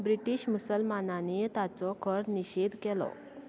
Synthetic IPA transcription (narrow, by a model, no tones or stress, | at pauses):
bɾiʈiɕmusəlmananit̪at͡sɔkʰəɾniɕed̪ʱkɛlɔ̰